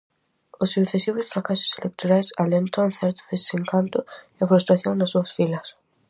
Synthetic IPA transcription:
osːukθesiβosfɾakaso̥selʔek̚t̪oɾajsalent̪awnθeɾt̪oðesd̪e̥seŋkant̪ʊiafɾust̪ɾaθjoŋnasːuɐsfilɐs

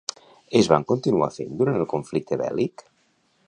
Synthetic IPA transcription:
ezβa̰ŋkont̪inua̰fend̪uɾant̪əlˠkoɱflik̚t̪əβɛ̰lik

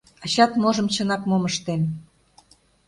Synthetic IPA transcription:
ɑɕɑt̪moʒə̆mt͡ɕə̆nɑkmoməʃt̪en

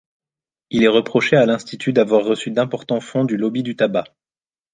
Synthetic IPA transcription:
ilɛʁəpχɔʃealɛ̃st̪it̪ʰyd̪avwaʁːəsyd̪ɛ̃pɔʁt̪ɑ̃fɔ̃d̪ylɔbid̪yt̪aba

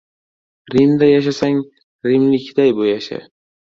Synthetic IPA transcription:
ɾɪmd̪ajaʃ̬asaŋ | ɾɪmlɪkʲʰd̪ajbʊjaʃa̰

